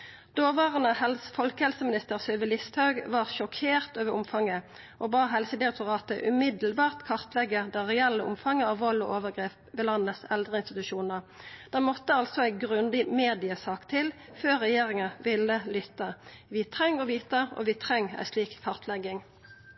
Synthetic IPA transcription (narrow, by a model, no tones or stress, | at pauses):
d̪̥oːʋɑːʁənəhɛlsfɔlkəhɛlsəmɪnɪst̪əʁsœʋəlɪst̪hɑʉɡʋɑːʁʃɔkʰeːʁt̪øːʋəʁʔʊmfɑŋə | ʔoːbɑːɦɛlsəd̪ɪɛk̚t̪ʊʁɑːt̪əʔʉmɪd̪əl̩bɑːʁt̪kʰɑʁt̪lɛɡːəd̪ɛʁɛɛlːəʔʊ̰mfɑŋːəɑːʋʋɔlɔ̰ːʔoːʋəʁɡʁeːp̚ | ʋɛːlɑnːəsɛld̪ʁəɪnst̪ɪt̪ʉʃuːnəʁd̪̥ɛmɔt̪ːəɑlsɔæɪɡʁʉnd̪ɪmeːd̪ɪəsɑːkt̪ʰɪl | føːʁɛjeːʁɪŋɑʋɪlːəlʏt̪ːəʋiːt̪ʰʁɛŋːɔʋiːt̪əʔɔ̰ʋɪːt̪ʰʁɛŋːæ̰ɪsliːkkʰːɑʁt̪lɛɡːɪŋ